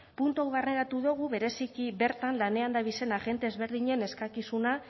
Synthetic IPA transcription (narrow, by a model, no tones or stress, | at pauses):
punt̪uawβarneɾat̪uðuɣ̞uβe̞ɾe̞sikiβe̞ɾt̪anlane̞and̪aβise̞naɣe̞nt̪e̞ːzβe̞ɾðiɲe̞ne̞skakisuna